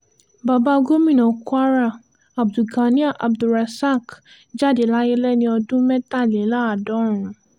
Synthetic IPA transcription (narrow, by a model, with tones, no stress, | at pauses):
ba˨ba˦˧ɡo˦mĩ˦˨nɔ̃˨ku˦a˦ɾa˦˨ | a˨b̚du˨ɡa˨ni˦a˦˨ʔa˨bdu˨ɾa˨sa˦˨k | d͡ʒa˦˨de˨la˦je˦lɛ˦nĩ˧ɔ˧dũ˦mɛ̃˦ta˦˨le˨˦la˦˨dɔ˨˦˨ɾ̃ũ˨